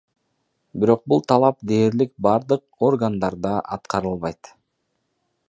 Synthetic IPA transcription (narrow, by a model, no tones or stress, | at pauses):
biɾo̞q̚bulˠt̪ʰɑlˠɑp̚d̪e̞ːɾlik̚bɑɾd̪ɯq̚o̞rɡand̪ɑɾd̪ɑʔɑ̰t̪qʰɑɾɯlˠβɑjt̪